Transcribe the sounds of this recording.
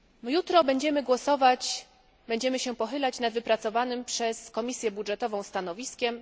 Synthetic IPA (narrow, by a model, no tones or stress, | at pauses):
mjut̪ɾɔbɛɲd͡ʑɛmɘɡwɔsɔvat͡ɕ | bɛɲd͡ʑɛmɘɕɛpɔxɘlat͡ɕnad̪vɘpɾat̪sɔvanɘmpʂɛskɔmʲisʲjɛbudʐɛt̪ɔvɔ̃w̃st̪anɔvʲiskʲɛm